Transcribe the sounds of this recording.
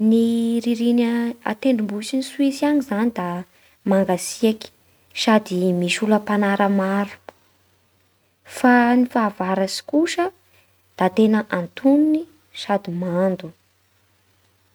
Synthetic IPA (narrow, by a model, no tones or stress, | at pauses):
niɾiɾinəa̰t̪eɳɖ͡ʐimbusiniswisianizanid̪a | maŋɡasiaki̥ | sad̪imiʃuləpanaɾəmaɾu̥pu̥ | fanifaːvaɾasi̥kuʃə | d̪̥at̪enəʔant̪unini | sad̪imand̪u